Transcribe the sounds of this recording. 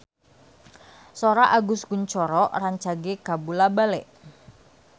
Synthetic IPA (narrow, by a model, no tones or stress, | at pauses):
soɾaʔaɡʊsɡ̥uɲt͡ʃɔɾɔʔraɲt͡ʃaɡekabulabalɛʔ